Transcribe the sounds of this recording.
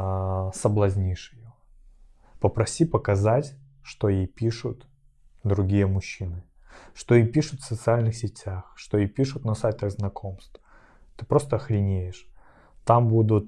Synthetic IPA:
səblˠɐzʲnʲiʂɪjo | pəpɾɐsʲipəkɐzatʲ | ʂt̪o̞jejpʲiʂʊt̪ | d̪ɾʊɡʲijəmʊɕːinɨ | ʂt̪ojejpʲiʂʊt̪fsət̪sɨalʲnɨxsʲɪtʲaxʂt̪ojejpʲiʂʊt̪nɐsajt̪əɣznɐkʰo̞mst̪f | t̪ɨpɾo̞st̪əxɾʲɪnʲejɪʂ | t̪ambud̪ʊt̪

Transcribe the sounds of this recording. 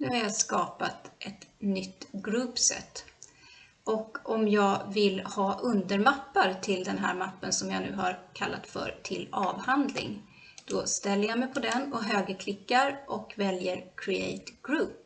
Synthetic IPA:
nʉ̟ːhaɾjaskɑːpat̪ʔɛt̪nʏt̪ːɡɾʉːpsɛ̰t̪ː | ʔɔkɔmjɑːɡvɪlhɑːʔɵnd̪əɾmapːaɾt̪ʰɪld̪ɛnɦæ̰ːɾmapːənsɔmjanʉ̟ːhaɾkʰalːa̰t̪fœ̰ɾt̪ʰɪlɑːvhand̪lɪ̰ŋ | d̪̥ɔst̪ɛlːəjamɛjpʰɔd̪ɛnɔɦøːɡəkʰlɪkːaɾʔɔkvɛljəɾkʰɾɪḛjt̪ɡ̥ɾʉːp̚

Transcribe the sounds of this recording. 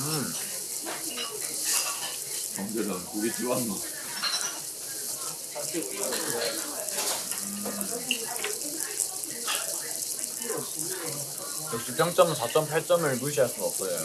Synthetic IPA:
ɯ | kʌŋd͡ʑedɯnkuɡit͡ɕ͈iwanʌ | jʌkɕ͈ipʰjʌŋt͡ɕ͈ʌmsʰat͡ɕ͈ʌmpʰaɭt͡ɕ͈ʌmɯɭmuɕ̬ʰias͈uʌp̚s͈ʌjo

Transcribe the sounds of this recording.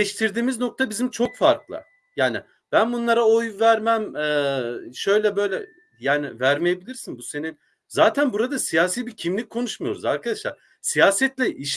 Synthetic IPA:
ɛʃt̪ʰiɾd̪iːmizno̞k̚t̪ʰabizimt͡ʃʰo̞kfaɾklˠɯ̰ | jaːnɪ | b̥ænbunlˠaɾaojvæɾmæmɛːʃø̞jlʲɛbø̞jlʲɛ̰ | jaːnɪvæɾmejebilʲiɾsinbuse̞nin | zaːt̪ʰænbuɾad̪asijaːsiːbiɾcʰimlʲic̚ʲkʰːo̞nuʃmujo̞ɾṵzaɾkʰad̪aʃlˠa̰ɾ | sijaːsɛt̪lʲɛʔiʃ

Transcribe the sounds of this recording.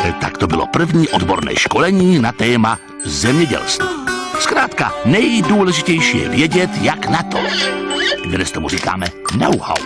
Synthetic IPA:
t̪a̰kt̪obɪlo̞̰pr̩vɲiːʔodbo̞ɾnɛ̰ːʃko̞lɛɲiːnat̪ɛːma | zɛmɲɛɟɛ̰lst̪vaskɾaːt̪kanɛjduːlɛʒɪcɛjʃiːjɛ̰vjɛɟɛt̪jaknat̪ʰo̰ | ɡ̪dɛst̪omuriːka̰ːmɛno̰wha̰w

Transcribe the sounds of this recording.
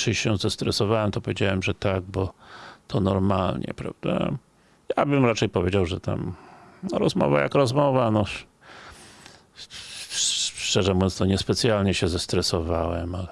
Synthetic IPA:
ʂɨɕɛzast̪ɾɛsɔvawɛmt̪ɔpɔvʲjed͡ʑawɛmʐɛt̪aɡ̚bɔt̪ʰɔnɔɾmalɲɛ̰pɾa̰vd̪a̰ | jabɘmɾat͡ʂɛjpɔvʲjed͡ʑawʐɛt̪a̰mnɔɾɔzmɔ̰va̰ja̰kɾɔzmɔvanɔ | ʂt͡ʂɛʐɛmuvjɔ̃nst̪ɔɲɛspɛt̪sʲjalɲɛɕɛzast̪ɾɛsɔvawɛmalɛ

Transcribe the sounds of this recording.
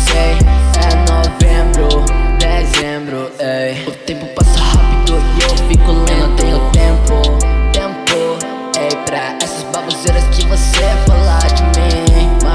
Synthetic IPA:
seɛnovẽbɾʊd̪ezẽbɾʊ | eʊt̪ẽpʊpasɐhapid̪ʊiewvĩjkul̃nʊt̪ẽj̃ʊt̪ẽpʊt̪ẽpʊ | ejpɾɐ | ɛsɐsbalozejɾɐskɪvosefalad͡ʒɪmĩma

